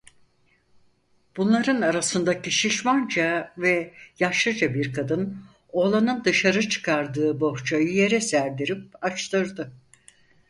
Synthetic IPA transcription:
b̥unlˠaɾɯnaɾasɯnd̪aciʃiʃmand͡ʒavɛjaʃˠɯd͡ʒabiɾkʰad̪ɯn | o̞lˠanɯnd̪ɯʃaɾɯt͡ʃʰɯ̥kʰaɾd̪ɯːbo̞ht͡ʃʰajije̞ɾɛsæɾd̪iɾip̚at͡ʃt̪ʰɯɾd̪ɯ

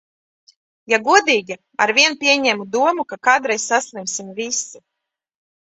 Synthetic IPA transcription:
jaɡuɔd̪iːɡʲi | aɾviɛnpʲiɛɲɛmud̪uɔmukakaːd̪ɾɛjssaslˠimsimvisu

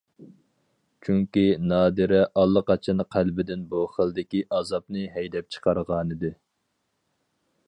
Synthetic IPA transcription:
t͡ʃʰyŋkʲinɑːd̪ɨɾɛʔɑlˠːəqɑt͡ʃʰɑnqʰælbɪd̪ɪnbuχəlˠd̪ɪkʲiʔɑzɑpnɨɦɛjd̪ɛp̚t͡ʃʰə̥qʰɑɾʁɑːnɨd̪ɨ

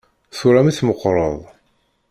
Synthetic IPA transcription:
θuɾæmiθməqːɾˤəðˤ

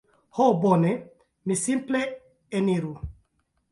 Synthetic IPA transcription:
hobone | misimple | eniɾu

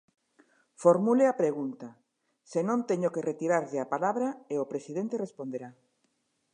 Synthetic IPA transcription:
foɾmuleapɾeɣ̞unt̪a | senõnt̪eɲokeret̪iɾaɾðɪapalaβɾaeopɾesið̞ẽnt̪erespond̪eɾa

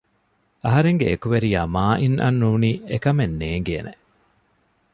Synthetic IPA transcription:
ɐɦɐɾeŋɡḛekuʋeɾijaːmaːʔinʔɐ̰nːuːniːekɐmenːeːŋ̆ɡḛːnʔe

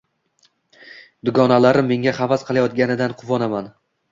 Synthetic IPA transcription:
d̪ʊɡɒnalaɾɪmːe̞ŋʲaχɑvasqʰɨlˠajɒt̪̚ɡʲanɪd̪anqʰʊvɒnaman

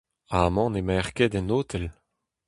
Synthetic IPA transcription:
aːmɑ̃nemɛʁked̪ɛnoːt̪ʰɛl

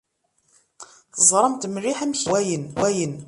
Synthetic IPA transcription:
θəzˤɾˤəmt̪mriħæmçwæjənwæjən

